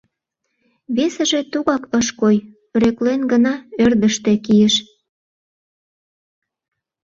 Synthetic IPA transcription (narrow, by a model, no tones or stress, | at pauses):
βesə̆ʒĕt̪uɣɑkəʃkoj | ɾøklenɡənɑørd̪əʃt̪ĕkijəʃ